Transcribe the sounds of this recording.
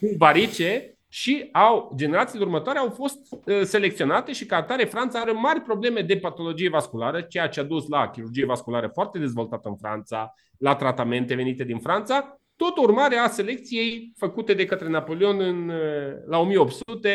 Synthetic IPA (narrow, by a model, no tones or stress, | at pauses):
kubaɾit͡ʃe | ʃiawd͡ʒe̞ne̞ɾat̪sileurmət̪oaɾeawfo̞st̪əse̞lek̚t̪sio̞nat̪e̞ʃikat̪aɾefɾant̪saaɾemarʲpɾo̞ble̞me̞d̪e̞pat̪o̞lo̞d͡ʒije̞vaskulaɾət͡ʃe̞jat͡ʃead̪uslakʲiɾurd͡ʒije̞vaskulaɾəfoart̪e̞d̪e̞zvo̞lt̪at̪əɨnfɾa̰nt̪sa | lat̪ɾat̪ame̞nt̪e̞ve̞nit̪e̞d̪infɾant̪sa | t̪o̞t̪əurmaɾease̞le̞k̚t̪sije̞jfəkut̪e̞d̪e̞kət̪ɾe̞napo̞leo̞nɨnlao̞mijeo̞p̚t̪sut̪e̞